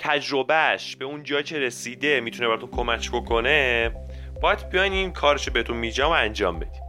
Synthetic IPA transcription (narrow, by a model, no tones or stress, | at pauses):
t̪ʰæd͡ʒɾo̞bæʃbe̞und͡ʒɒːjcʰe̞ɾe̞siːd̪e̞miːt̪ʰuneæɾɔt̪unkʰo̞mæcʰbo̞kʰo̞ne | bɒːjæd̪bijɒjninkʰɒːɾeʃobe̞het̪ʰunmid͡ʒæmoænd͡ʒɒːmbe̞d̪̥i̥ː